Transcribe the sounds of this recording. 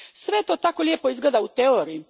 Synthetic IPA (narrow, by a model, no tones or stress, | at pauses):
sʋet̪o̞ːt̪ako̞lʲepo̞izɡleːd̪aut̪eoɾii